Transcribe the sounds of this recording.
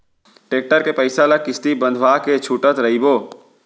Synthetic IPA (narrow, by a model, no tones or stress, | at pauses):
ʈeːk̚ʈəɾkepəɪsalakɪst̪ibə̃nd̪ʱʋaket͡ʃʰuʈət̪ɾəɦibo